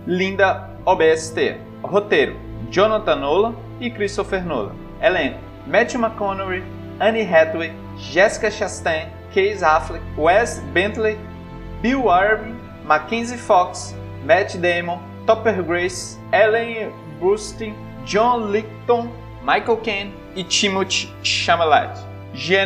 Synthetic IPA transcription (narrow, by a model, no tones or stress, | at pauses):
lĩnd̪ɐ | obeɛsi̥t̪ḛ | hot̪ejɾʊ̰ | d͡ʒõnat̪ɐ̃nolɐ | ɪkɾist̪ofeɾnolɐ̰ | ɛlẽn | mɛt͡ʃimakõnoɾi | ɐ̃niɦɛt̪lwe | ʒɛsi̥kɐʃast̪ẽj̃ | kejzaflewɛst̪bẽt̪le | biwaɾbĩ | makẽnzifɔks | mɛt͡ʃd̪ẽjmõ | t̪ɔpeɾɡɾejs | ɛlẽ | bɾust̪ĩ | d͡ʒõlik̚t̪õ | majkowkẽn | ɪt͡ʃĩmot͡ʃ | ʃãmala̰jt̪ | ʒe